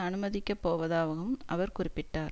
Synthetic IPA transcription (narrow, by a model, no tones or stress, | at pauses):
ɐnɯmɐðɪkʲːɐpːoːʋɐðaːʋɐɣɯmʔɐ̰ʋɐɾkʊrɪpːɪʈːaːɾ